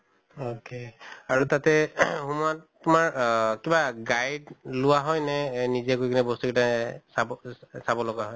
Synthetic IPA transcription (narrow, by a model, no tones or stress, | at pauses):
okeaɹutatɛhumattʊmaɹkibaɡajdlʊwaɦɔjnɛnizɛkojkʰinɛbɔstukitasabsabɔlɔɡaɦɔj